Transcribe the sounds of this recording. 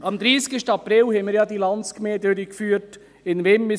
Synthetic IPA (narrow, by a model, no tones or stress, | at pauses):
ɑmd̪ɾiːskəʃtɑpɾɪlhɛmiːɾjɑːd̪iːlɑnskmeːd̪øɾɪkfyːt | ɪnvemːɪ